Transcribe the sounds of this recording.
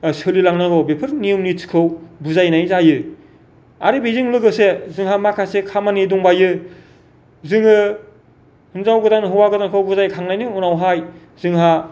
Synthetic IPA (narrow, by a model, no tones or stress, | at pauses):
sɯlilaŋnaɡɔbepʰɯɾnijumnitʰi̥kʰɯwbuzajnajzajɯ | a̰ɾibezɯŋlɯɡɯsezɯŋɦamakʰasekʰamanidɔŋbajɯ | zɯŋɯ | hɯnzawɡɯdanɦɯwaɡɯdankʰɯwbuzajkʰaŋnajnɯunawɦaj | zɯŋɦa